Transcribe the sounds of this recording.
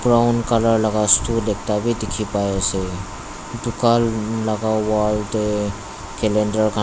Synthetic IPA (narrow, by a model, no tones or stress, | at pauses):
bɾaʊnkaləɾlaɡastulek̚ʰt̪abʱid̪ikʰipajese | d̪ʊkalləɡawalde | keleɳɖəɾka